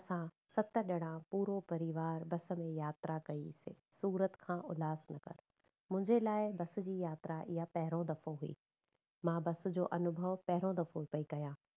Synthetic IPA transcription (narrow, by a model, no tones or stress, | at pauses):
sã | sɐt̪ə̆ɗɪɽ̃ãpuːɾopɐɾiʋaːɾbɐsə̆mẽjaːt̪ɾakɐisɪ̰ | suːɾət̪kʰãːʔʊlaːsnɐkɐ̰ɾ | mʊ̃ɦɪ̃ɲd͡ʑelaːɪbɐsʊ̆d͡ʑiːjaːt̪ɾaʔɪɦapɐɦɪɾõd̪ɐfoɦuḭː | mãbɐsʊ̆d͡ʑo̰ːʔɐnʊbʱəʋpɐɦɪɾõd̪ɐfopɐikɐjãː